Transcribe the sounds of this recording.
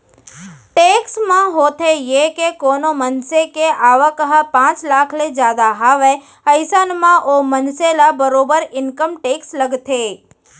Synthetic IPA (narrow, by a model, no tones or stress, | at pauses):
ʈeksmãɦot̪ʰejekekonomənsekeʔaʋəkəɦəpãt͡ʃlakʰled͡ʒad̪aɦaʋe | əjsənmãʔomənselabəɾobəɾɪnkəmʈeksləɡt̪ʰe